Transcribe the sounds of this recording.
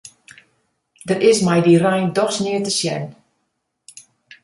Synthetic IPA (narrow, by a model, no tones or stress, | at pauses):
dərɪsmɛjdirɛjndɔχsnɪətəsjɛ̰n